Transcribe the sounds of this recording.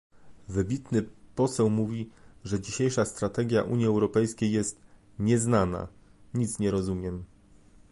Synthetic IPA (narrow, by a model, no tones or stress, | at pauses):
vɘbʲit̪nɘpɔsɛwmuvʲiʐɛd͡ʑiɕejʂast̪ɾat̪ɛɡʲja̰ʔuɲjiɛwɾɔpɛjskʲejːɛst̪ | ɲɛznana̰ | ɲit̪sɲɛɾɔzumʲjɛm